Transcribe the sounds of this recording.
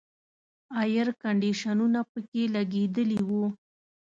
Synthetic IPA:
ɑjəɾkaɳɖiʃanunapəkelaɡed̪əliwu

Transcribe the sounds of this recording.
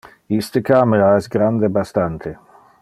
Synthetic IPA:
ist̪əkaːmeɾaɛsɡɾand̪ebast̪ant̪ʰe

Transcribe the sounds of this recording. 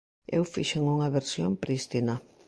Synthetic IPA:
ḛwfiʃeŋuŋɐβeɾsjompɾist̪ina

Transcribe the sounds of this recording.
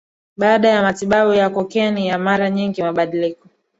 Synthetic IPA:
ɓaːɗajamatiɓaɓujakɔkɛnijamaɾaɲiŋɡimaɓaɗilikɔ

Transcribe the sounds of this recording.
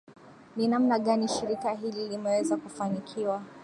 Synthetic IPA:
ninamnaɠaniʃiɾikaɦililimɛwɛzakufanikʰiwa

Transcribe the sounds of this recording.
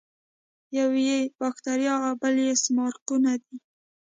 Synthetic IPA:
jawjebɑxt̪aɾjɑabaljesmɑɾqunad̪i

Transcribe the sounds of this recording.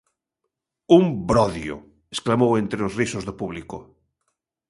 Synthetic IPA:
umbɾɔðjo̰ | esklamowent̪ɾeozrisozðopuβliko

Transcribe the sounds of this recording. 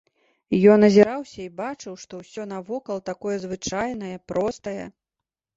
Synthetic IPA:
jɔnːɐzʲɛɾawsʲɐibat͡ʂɨwʂt̪ɔwsʲɔnɐvɔkɐlˠt̪akɔjɐzvɨt͡ʂajn̪ɐjɐpɾɔst̪ɐjɐ̰

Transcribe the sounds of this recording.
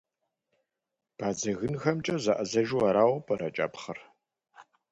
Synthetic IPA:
b̥aːd͡zɐɣɨnxɐmt͡ʃʼɐzɐʔɐzɐʒuɐɾaːwɐpʰʼɐɾɐt͡ʃʼa̰ːpχɐr

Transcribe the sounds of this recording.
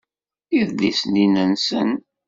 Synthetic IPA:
iðlisninənsən

